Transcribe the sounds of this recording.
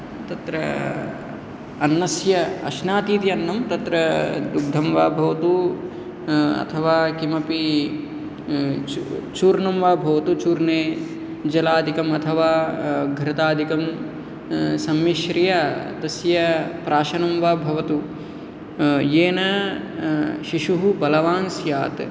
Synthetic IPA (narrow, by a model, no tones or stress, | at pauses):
t̪ɐt̪ɾɐ | ɐnːɐsjɐɐ̰ʃnaːt̪iːt̪iɐnːɐmt̪ɐt̪ɾɐd̪uɡ̚d̪ʱɐmʋa̰ːbʱɐʋɐt̪u | ɐ̰t̪ʰɐʋaːkimɐpi | t͡ʃuːɾnɐmʋaːbʱɐʋɐt̪ut͡ʃuːɾneː | d͡ʒɐlaːd̪ʱikɐmɐt̪ʰɐʋaːɡʱɾɐt̪aːd̪ʱikɐm | sɐmːiʃɾijɐt̪ɐsjɐpɾaːʃɐnɐmʋaːbʱɐʋɐt̪u | jeːnɐ | ʃiʃuɦubɐlɐʋaːnsjaːt̪